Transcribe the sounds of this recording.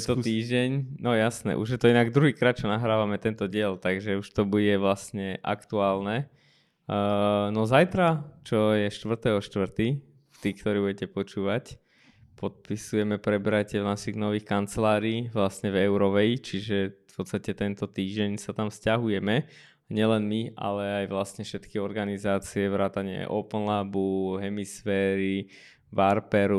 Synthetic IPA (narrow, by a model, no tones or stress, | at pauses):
t̪ɔt̪iːʒɟɛɲnɔjasnɛ̰ʔṵʒjɛt̪ɔinaɡd̪ɾuɦiːkɾaːt̪̚t͡ʃɔnaɦɾaːʋamɛt̪ɛnt̪ɔɟɪɛlt̪aɡʒɛuʃt̪ɔbuɟɛʋlasɲɛʔa̰kt̪uaːlnɛ | nɔzajt̪ɾat͡ʃɔjɛʃt̪ʋr̩t̪ɛɦɔʃt̪ʋr̩t̪i | ft̪iːkt̪ɔɾiːbuɟɛcɛpɔt͡ʃuːʋac | pɔt̪̚pisujɛmɛpɾɛbɛɾajcɛʋnaʃiɣnɔʋiːxkant͡sɛlaːɾiːʋlasɲɛvɛʊɾɔʋɛit͡ʃiʒɛfpɔt̪st̪acɛt̪ɛnt̪ɔt̪iːʒɟɛɲsat̪amfscaɦujɛmɛ | ɲɪɛlɛnmia̰lɛajʋlasɲɛfʃɛt̪kiɔɾɡanizaːt͡siɛʋɾaːt̪aɲɪɛ̰ʔɔpnlabuɦɛmisfɛːɾi | ʋaɾpɛɾu